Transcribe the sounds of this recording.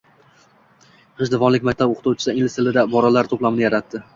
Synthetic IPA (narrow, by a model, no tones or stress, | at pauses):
qʰɨʃd̪ɪvɒnlɪk̚ʲmak̚ʲt̪ʰaboqɨ̥t̪ʰʊwt͡ʃʰɪ̥sɪŋlɪsʰɪlɪd̪abɒɾalaɾt̪ʰoplˠamɪnɪjaɾat̪ːɪ